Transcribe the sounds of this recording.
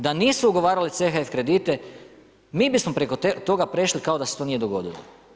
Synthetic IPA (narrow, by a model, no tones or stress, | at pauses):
d̪aniːsuuɡo̞ʋaːɾalit̪sexaefkɾe̞d̪it̪e̞ | miːbismo̞pɾeko̞t̪o̞ɡapɾe̞ʃlikao̞d̪aset̪o̞nijed̪o̞ɡo̞̰d̪ilo̰